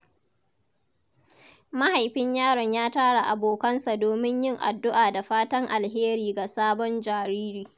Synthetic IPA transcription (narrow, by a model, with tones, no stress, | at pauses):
ma˦ha˨jɸɪ˦ɲjaː˦ɽɔ˨ɲjaː˦taː˦ɽa˨ʔa˨boː˨kɐ˦nsa˨doː˨mɪ˦ɲjɪ˦˨ŋʔa̰˨dːʊ˦ʔaː˨da˨ɸaː˦tɐ˦ŋʔa˨lɦeː˦ɾiː˨ɡa˨saː˦bɔ˦nd͡ʒaː˨ɾiː˦ɾiː˦